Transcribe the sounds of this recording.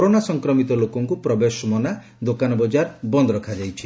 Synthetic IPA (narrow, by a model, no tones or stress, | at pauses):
ɔɾonasɔŋkɾɔmit̪ɔlokɔŋkupɾɔbeʃɔmɔna | d̪okanɔbɔd͡ʒaɾbɔnd̪ɔɾɔkʰad͡ʒajt͡ʃʰi